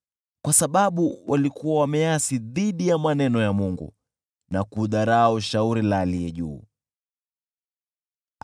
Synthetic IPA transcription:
kwasaɓaɓuwʔalikuwawamɛjasiðiɗijamanɛnɔjamuŋɡṵ | nakuðaɾaɔʃauɾilaːlijɛʄṵː

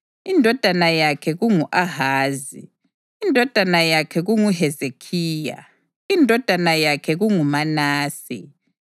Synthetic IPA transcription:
indʱɔd̥ʱanajakʰɛɣuŋuʔaɦaːzḭ | indʱɔd̥ʱanajakʰɛɣuŋuɦɛzekʰiːja̰ | indʱɔd̥ʱanajakʰɛɣuŋumanaːsḭ

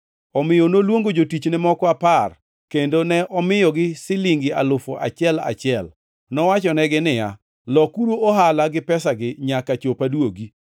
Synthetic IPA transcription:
ɔmɪjɔnolwoŋɡod͡ʒotit͡ʃnɛmɔkɔapar | kendonɛʔɔmɪjɔɡɪsɪlɪŋɡɪa̰lʊfɔʔa̰t͡ʃɪɛla̰t͡ʃɪɛl | nɔwat͡ʃɔnɛɡɪnɪja̰ | lɔkuɾuoɦalaɡɪpɛsaɡɪɲakat͡ʃopadwoɡi

